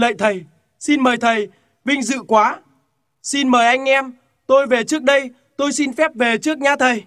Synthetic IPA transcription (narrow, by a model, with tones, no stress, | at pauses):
lə̰ː˧˨jt̪ʰə˨˩j | si˧nməː˨˩jt̪ʰə˨˩j | vï˧ŋ̟zɨ̰˧˨kwaː˨˦ | si˧nməː˨˩jʔa˧jŋ̟ʔɛ˧m | t̪o˧jve˨˩t͡ɕɨ˦˥ək̚ɗə˧j | t̪o˧jsi˧nfɛ˦˥p̚ve˨˩t͡ɕɨ˦˥ək̚ɲaː˨˧˦t̪ʰə˨˩j